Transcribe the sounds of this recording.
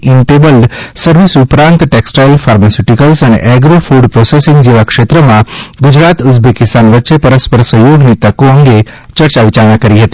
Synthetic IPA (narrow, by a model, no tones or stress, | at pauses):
ɪɳʈebəlɖsəɾʋisupɾãnt̪ʈeksʈajlfaɾmasjuʈikəlsənḛʔɛɡɾofuɖpɾosesɪ̃ŋɡd͡ʒeʋakʃet̪ɾəmãɡud͡ʒɾat̪ʊt̪bekɪst̪anʋətːʃepəɾəspəɾsəɦjoɡnit̪əkoəŋɡet͡ʃəɾt͡ʃaʋit͡ʃanãkəɾiɦət̪i